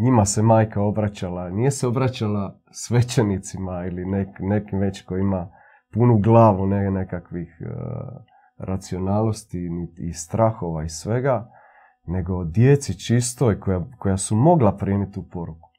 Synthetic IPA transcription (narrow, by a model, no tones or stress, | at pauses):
ɲimase̞maːjkao̞bɾat͡ɕalanijeseo̞bɾat͡ɕala | sʋe̞t͡ɕe̞nit̪simailinekne̞kimʋe̞t͡ɕkoima | punuɡlaːʋunene̞kakʋix | ɾʔat̪sio̞naːlno̞st̪inḭːst̪ɾaxo̞ʋaisʋe̞ɡa | ne̞ɡo̞d̪jet̪sit͡ʃist̪oikojako̞jasumo̞ɡlapɾiːmit̪upo̞ɾuku̥